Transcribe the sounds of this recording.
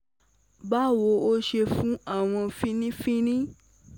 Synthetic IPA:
ba˦wo˧o˦ʃe˧fũ˦a˦˨w̃ɔ̃˧fĩ˦nĩ˦fĩ˦nĩ˦

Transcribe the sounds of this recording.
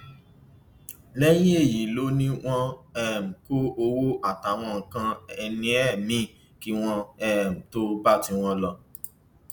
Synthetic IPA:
lɛ˦j̃ĩ˦e˦˨ji˨lo˨˦nĩ˦w̃ɔ̃˦ɛ˦˨m̩˨ko˦o˧wo˦a˨ta˨˦w̃ɔ̃˧˨ŋ̩˨kã˧ɛ˧nĩ˧ɛ˦˨nĩ˦ | ki˦w̃ɔ̃˧ɛ˦˨m̩˨to˦ba˦˨ti˧w̃ɔ̃˧lɔ˧

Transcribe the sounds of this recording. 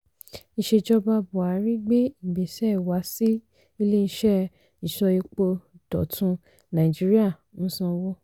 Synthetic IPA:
i˧ʃe˧d͡ʒɔ˧ba˧bu˨a˨˦ɾĩ˦ɡ͡be˦i˦˨be˨sɛ˦˨wa˨˦si˦ | i˧le˦n̩˧ʃɛ˦ | i˨ʃɔ˧i˧k͡po˧d̥ɔ̰˨tʰũ˧ | nã˨i˨d͡ʒi˦ɾi˦a˦˨ | nũ˦sɔ̃˧wɔ˦

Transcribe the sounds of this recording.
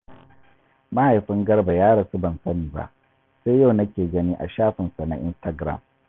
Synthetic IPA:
ma˦ha˨jɸɪ˦ŋɡɐ˦rba˨jaː˦ɽɐ˨su˦bɐ˨nsɐ˦niː˨ba̰˦ʔ | seː˦jja˦˨wnɐ˦kʲeː˨ɡɐ˦ni˦ʔa̰˨ʃaː˦ɸɪ˨nsa˨na̰˨ʔɪ̰˦nsta˨ɡɾa̰˨m

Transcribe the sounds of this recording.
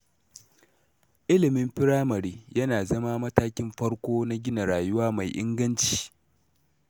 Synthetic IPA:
ʔɪ˦lɪ˨mɪ˦mɸɪ˦ɽaː˦mɐ˨ɽiː˦jɐ˦naː˨zɐ˦ma˦mɐ˦taː˦kʲɪ˦mɸɐ˦ɽkʷoː˦na˦ɡʲɪ˦na˨ɽaː˨jʊ˦waː˦ma˨jʔɪ̰˦ŋɡɐ˦nt͡ʃi̥ː˨

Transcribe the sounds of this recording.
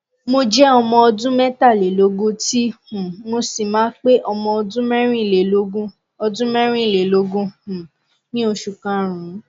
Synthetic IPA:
mo˧d͡ʒɛ˦ɔ˧mɔ̃˧ɔ˧dũ˦mɛ˦ta˦˨le˨lo˨˦ɡũ˦ti˦hũ˨mo˧si˨mãː˨˦k͡pe˦ʔɔ˧mɔ̃˧ɔ˧dũ˦mɛ˦ɾ̃ĩ˦˨e˨lo˦ɡũ˦ | ɔ˧dũ˦mɛ̃˦ɾ̃ĩ˦i˨le˨lo˨˦ɡũ˦hũ˨ | nĩ˦o˧ʃu˨kã˨˦ɾ̃ũ˨˦

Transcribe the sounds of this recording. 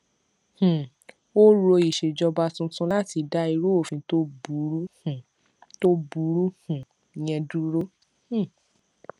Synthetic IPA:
h̩˨ | o˦ɾo˧i˨ʃe˨d͡ʒɔ˧ba˧tũ˧tũ˦la˦ti˨˧da˦i˧ɾo˦o˦˨fĩ˧to˦bu˨˦ɾu˦hũ˨ | to˦bu˨˦ɾu˦hũ˨ | jɛ̃˧du˦ɾo˦ | h̩˨

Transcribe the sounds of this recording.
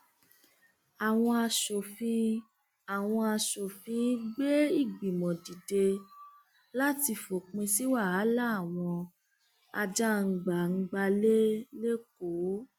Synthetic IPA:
a˨w̃ɔ̃˧a˧ʃo˨fĩ˧ | a˨w̃ɔ̃˧a˧ʃo˨fĩ˧˦ɡ͡be˦i˦˨ɡ͡bi˨mɔ̃˨di˨de˧ | la˦ti˧fo˨k͡pẽ˧si˦wa˦˨a˨˦la˦a˨w̃ɔ̃˧ | a̰˧d͡ʒa˦˨ŋ̩˨ɡ͡ba˨ŋ̩˧ɡ͡ba˧le˦le˦ko˨˦

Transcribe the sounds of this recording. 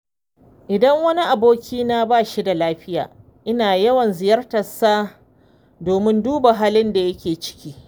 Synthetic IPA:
ʔɪ˨dɐ˦ŋwɐ˦ni˦ʔa˨boː˦kʲʰiː˦naː˦baː˦˨ʃi˦da˨laː˦ɸɪ˦ja̰ː˨ | ʔɪ˦naː˨jɐ˦wɐ˨nzɪ˨jɐ˦rtɐ˨sːaː˦ | doː˨mɪ˦nduː˦ba˨ɦaː˦lɪ˦nda˨jɐ˦kʲeː˨t͡ʃɪ̥˦kʲiː˦

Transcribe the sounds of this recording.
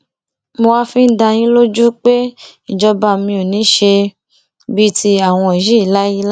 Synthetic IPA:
mo˧wa˦fĩ˦n̩˦da˧j̃ĩ˦lo˦d͡ʒu˦k͡pe˦i˦˨d͡ʒɔ˧ba˧mĩ˧o˨nĩ˨˦ʃe˧ | bi˦tʰi˧a˨w̃ɔ̃˧e˨ji˦i˦˨la˦ji˦l

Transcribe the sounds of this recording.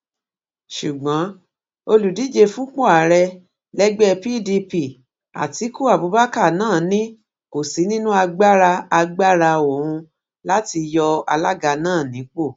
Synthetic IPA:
ʃu˨ɡ͡bã˨˦ | o˧lu˨di˨˦d͡ʒe˧fũ˦k͡po˦a˨ɾɛ˧ | lɛ˦ɡ͡bɛ˦˧pi˦di˧pi˧˨ | a̰˨ti˨˦ku˦˨a˨bu˨˦ba˦ka˦˨nãː˦˨nĩ˦ | ko˨si˨˦nĩ˦nũ˦a˧ɡ͡ba˦ɾa˧a˧ɡ͡ba˦ɾa˧o˨ɾ̃ũ˧ | la˦ti˧jɔ˧a̰˧la˦ɡa˧nãː˦˨nĩ˨˦k͡po˦˨

